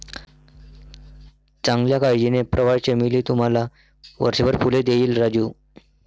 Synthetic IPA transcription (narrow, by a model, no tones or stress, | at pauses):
t͡sãŋɡljakaɭd͡ʑinepɾʔəʋaɭt͡ɕemiliːt̪um̤ala | ʋə̰ɾɕəbəɾpuled̪eiːlɾad͡ʑuː